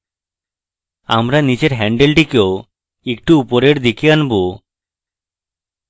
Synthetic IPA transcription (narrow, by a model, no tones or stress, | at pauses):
a̰mɾanid͡ʒeɾɦɛɳɖelʈiko | ek̚ʈuupoɾeɾd̪ikianbo